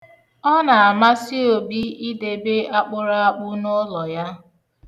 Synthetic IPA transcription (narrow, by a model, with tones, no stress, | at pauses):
ɔ˦na˨a˨ma˦si˦o˨bi˦i˦de˨be˦a˦k͡pʊ˦ɾa˦a˦k͡pʊ˦no˦lɔ˨ja˦